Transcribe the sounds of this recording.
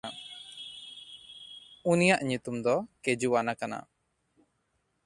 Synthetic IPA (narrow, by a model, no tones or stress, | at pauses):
unijaʔɲut̪umd̪ɔkɛd͡ʒuanakana̰